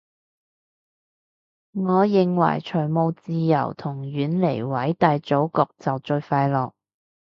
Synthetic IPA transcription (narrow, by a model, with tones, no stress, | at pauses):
ŋɔː˨˧jɪ˨ŋwɐ̰˨˩jt͡ʃʰɵ˨˩jmo˨˧wt͡siː˨˧jɐ̰˨˩wt̪ʰʊ˨˩ŋjyː˨˧˥nle˨˩jwɐ˨˥jt̪ɐ˨˧jt͡so˨˥wkɔː˨˧k̚t͡sɐ˨wt͡ʃɵ˧ɥfaː˧jlɔː˨k̚